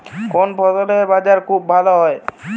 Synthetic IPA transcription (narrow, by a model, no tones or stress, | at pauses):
konbʰʱɔt̪oleɾbad͡ʑaɾkʰubːʱaloɦɔe